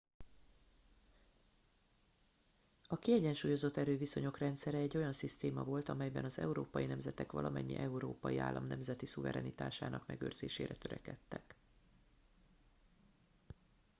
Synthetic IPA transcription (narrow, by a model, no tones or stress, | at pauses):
ɒkiɛɟɛnʃuːjo̞zo̞t̪ːɛɾøːviso̞ɲo̞krɛnt̪sɛɾɛɛɟːo̞jɒnsist̪eːmɒvo̞lt̪ɒmɛjbɛnɒzɛuɾoːpɒjinɛmzɛt̪ɛkʋɒ̰lʔɒmɛɲːḭʔɛuɾoːpɒjia̰ːlːɒmnɛmzɛt̪isuvɛɾɛnit̪aːʃaːnɒkmɛɡøːrz̥eːʃeːɾɛt̪øɾɛkɛt̪ːɛk